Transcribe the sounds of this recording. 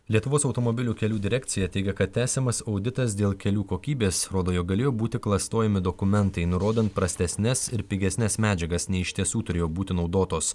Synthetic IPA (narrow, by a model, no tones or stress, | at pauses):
lʲiɛt̪ʊʋoːsɒʊt̪oːmobʲɪlʲuːkʲɛlʲuːd̪ʲɪɾʲækt̪sʲɪjɛt̪ʲɛɪɡʲɛkɐt̪ʲtʲæːsʲɛmɐsɒʊd̪ʲɪt̪ɐs̬d̪ʲeːlˠkʲɛlʲuːkoːkʲiːbʲeːsɾoːd̪oːjok̚ɡɐlʲeːjoːbuːt̪ʲɪklˠɐst̪oːjɛmʲɪd̪okʊmʲɛnt̪ɐɪnʊɾoːd̪ʲɛnt̪̚pɾɐsʲt̪ʲɛsʲnʲɛsɪɾpʲɪɡʲɛsʲnʲɛsmʲæːd͡ʒʲɛɡɐsnʲɛɪɪʃʲt̪ʲiɛsuːt̪ʊɾʲeːjoːbuːt̪ʲɪnɒʊd̪oːt̪oːs